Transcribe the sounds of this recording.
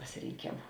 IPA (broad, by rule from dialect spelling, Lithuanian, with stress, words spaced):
pɐsʲɪˈrʲeːŋʲkʲeːmʊ